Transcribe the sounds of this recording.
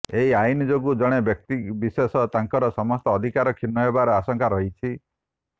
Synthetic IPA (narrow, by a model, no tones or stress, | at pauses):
eɦiainid͡ʒoɡud͡ʒɔɽ̃ebjɔk̚t̪ibisesɔt̪aŋkɔɾɔsɔmɔst̪ɔːd̪ʱikaɾɔkʰinːɔɦebaɾɔasɔŋkaɾɔɦit͡ʃʰi